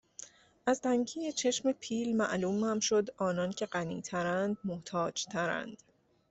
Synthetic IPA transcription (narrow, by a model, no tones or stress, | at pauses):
ʔæzt̪ʰæŋɟʰiːjet͡ʃʰe̞ʃmepʰiːlmæ̰ʔluːmæmʃo̞d̪ɒːnɒːncʰe̞ɢænḭːt̪ʰæɾænd̪̚moht̪ʰɒːd͡ʒt̪ʰæɾæ̰nd̪̥